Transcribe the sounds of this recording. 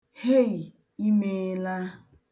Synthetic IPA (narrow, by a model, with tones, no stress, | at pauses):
he˦ɣi˨ | i˦me˦la˦